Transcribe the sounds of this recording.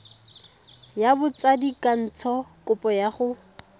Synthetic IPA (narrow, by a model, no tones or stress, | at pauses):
jabʊt͡sadikʼan̩t͡sʰɔkʼʊpʼɔjaχʊ